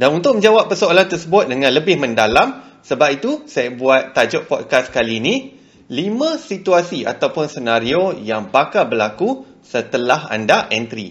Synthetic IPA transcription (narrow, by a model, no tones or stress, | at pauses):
danunt̪ʊk̚mə̃ɲd͡ʒawapːərsoalant̪ərsəbʊt̪̚dəŋãnləbɪhmə̃ndalamsəbap̚it̪usajabuat̪ːad͡ʒɔʔ̚pɔt̚kaskaliːnĩ | limãsit̪uasiʔa̰t̪awpʊnsənãɾiojaŋbakalbərlaku | sət̪əlaɦa̰ndaʔɛnt̪ɾḭ